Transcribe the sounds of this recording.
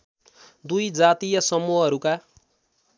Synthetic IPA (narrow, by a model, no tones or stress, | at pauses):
d̪ujd͡zat̪ijʌsʌmuɦʌʌɾuka